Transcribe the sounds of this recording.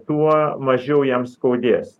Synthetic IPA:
t̪uɔmɐʒʲɛʊjɛmskɐʊd̪ʲeːs

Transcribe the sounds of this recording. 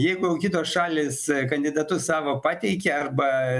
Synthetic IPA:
jɛɪɡʊjɛʊkʲɪt̪oːsʃɑːlʲeːskɐnʲd̪ʲɪd̪ɐt̪ʊssɑːʋoːpɑːt̪ʲɛɪkʲɛɐrbɐ

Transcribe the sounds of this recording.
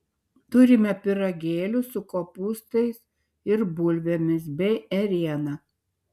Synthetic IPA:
t̪ʊɾʲɪmʲɛpʲɪɾɐɡʲeːlʲʊsʊkopuːst̪ɐɪs | ɪɾbʊlʲʋʲemʲɪsbʲɛɪɛɾʲiɛnɐ

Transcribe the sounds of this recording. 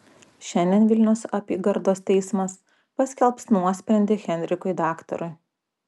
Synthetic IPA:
ʃʲɛnʲd̪ʲɛnʋʲɪlʲnʲʊsɐpʲiːɡɐɾd̪oːst̪ʲɛɪsmɐs | pɐsʲkʲɛlˠpsnuɔsʲpʲɾʲɛnʲd̪ʲɪɣʲɛnʲɾʲɪkʊɪd̪ɑːkt̪ɔ̰ɾʊɪ

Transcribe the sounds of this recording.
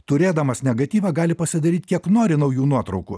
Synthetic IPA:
t̪ʊɾʲeːd̪ɐmɐsnʲɛɡɐt̪ʲiːʋʲɑɡɑːlʲɪpɐsʲɪd̪ɐɾʲiːt̪ʲkʲiɛknoːɾʲɪnɐʊjuːnuɔt̪ɾɒʊkʊ

